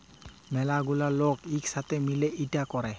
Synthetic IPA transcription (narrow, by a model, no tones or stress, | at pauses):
mɛlaɡulalokiksatɛmilɛʔitakɔɹɛ